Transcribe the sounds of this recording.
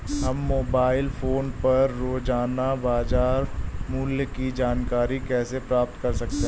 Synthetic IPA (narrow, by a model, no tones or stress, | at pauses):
ɦɐmːoːbaːɪlfʰoːnpɐɾːoːd͡ʒaːnabaːd͡ʒaːɾmʊljəkid͡ʒaːnkaːɾikɛːsepɾaːp̚t̪kɐɾsɐk̚t̪e